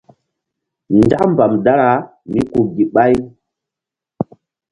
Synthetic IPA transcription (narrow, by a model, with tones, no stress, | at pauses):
nd͡ʒa˦km˨ba˨mda˦ɾa˨˦ | mi˦ku˨ɡi˨ɓa˦j